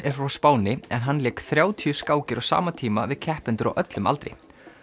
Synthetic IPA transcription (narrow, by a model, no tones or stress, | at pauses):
ɛɾ̥fɾawspaːwnɪɛnɦanːlɛːkθɾjaːwt̪ʰiʏskaːwcɪɾawsa̰ːmat̪ʰiːmavɪðcʰɛhpʏnt̪ʏɾa̰wʔœt̪lʏma̰lt̪ɾɪ̰